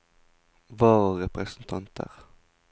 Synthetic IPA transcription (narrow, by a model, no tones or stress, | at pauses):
ʋoːʁəʁɛpʁɛsənt̪ʰɑnt̪ʰə̰ʁ